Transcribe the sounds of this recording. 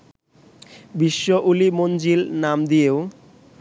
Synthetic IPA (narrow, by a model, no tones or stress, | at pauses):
biʃːoʔulimond͡ʑilnamd̪ieo